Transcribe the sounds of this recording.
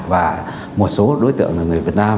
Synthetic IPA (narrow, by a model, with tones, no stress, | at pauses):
vaː˨˩ | mo˨˩t̚so˨˦ɗo˨˦jt̪ɨ̰˧˨əŋaː˨˩ŋɨ˨˩əvi˨˩ət̚naː˧m